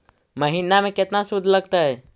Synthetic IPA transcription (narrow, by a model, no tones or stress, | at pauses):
məɦiːnamẽkɪt̪nasʊd̪ʱləɡt̪aɦɛː